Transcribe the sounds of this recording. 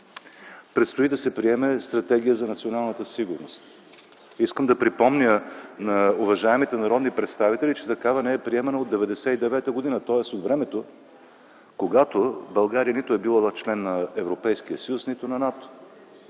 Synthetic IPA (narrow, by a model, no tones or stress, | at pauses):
pɾɛt̪st̪oid̪ɐsɛpɾiɛmɛst̪ɾɐt̪ɛɡ̟ijəzɐnɐt̪sionalˠnət̪əsiɡʊɾnost̪ | iskəmd̪ɐpɾipɔmnʲənɐʊvɐʒaɛmit̪ɛnɐɾɔd̪nipɾɛt̪st̪avit̪ɛlit͡ʃɛ̥t̪ɐkavɐnɛɛpɾiɛmɛnəod̪ːɛvɛd̪ɛsɛid̪ɛvɛt̪əɡod̪inət̪ɔɛsot̪vɾɛmɛt̪o | koɡat̪obɐlˠɡaɾijənit̪ʊɛbilˠat͡ʃlɛnːɐɛvɾopɛjskiəsɐjusnit̪onɐnat̪o̥